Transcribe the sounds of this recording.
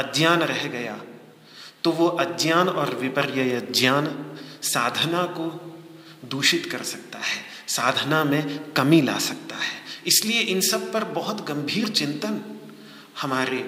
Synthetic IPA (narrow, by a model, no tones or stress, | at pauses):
ɐd̪jaːnɾɛɦɡɐja | t̪oʋoʔɐd̪jaːnɔːɾʋɪpəɾjəjəd̪jaːnsaːd̪ʱənako | d̪uːʃɪt̪kɐɾsɐk̚t̪aɦɛː | saːd̪ʱənamẽkɐmila̰ːsɐk̚t̪aɦɛːɪslieʔɪnsɐb̚pɐɾbɐɦʊt̪ɡɐ̃mbʱiːɾt͡ʃɪ̃nt̪ən | hɐmaːɾe